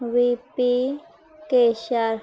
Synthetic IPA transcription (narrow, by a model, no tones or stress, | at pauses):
wipi | keʃaɾ